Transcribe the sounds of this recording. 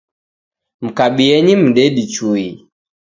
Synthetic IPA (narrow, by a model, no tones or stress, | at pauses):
m̩kaɓiɛɲim̩ɗɛɗit͡ʃui